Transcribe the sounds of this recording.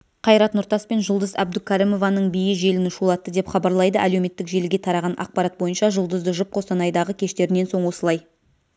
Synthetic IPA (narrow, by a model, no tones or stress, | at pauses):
qʰɑjɾɑt̪nʊɾt̪ɑspe̞nʒʊlˠd̪əzæb̚d̪ʊkʲʰæɾimo̞vɑnəɴbijɪʒe̞lɪnɪʃulˠɑt̪ːəd̪epχɑbɑɾlˠɑjd̪əʔælewme̞t̪ːɪkʒe̞lɡʲe̞t̪ʰɑɾɑʁɑnʔɑ̰q̚pɑɾɑt̪̚bo̞jənʃɑʒʊlˠd̪əzd̪əʒʊp̚qʰosɑnɑjd̪ɑʁəkʲʰe̞ʃt̪e̞ɾɪne̞nso̞ɴwo̞səlˠɑj